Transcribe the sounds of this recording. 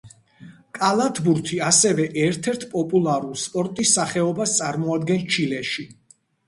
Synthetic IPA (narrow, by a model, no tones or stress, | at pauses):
kʼalˠat̪ʰbuɾt̪ʰiasɛvɛʔɛɾt̪ʰɛɾt̪ʰpʼɔpʼulˠaɾulˠspʼɔɾt̪ʼisːaχɛɔbast̪sʼaɾmɔad̪ɡɛnt͡ʃʰilɛʃi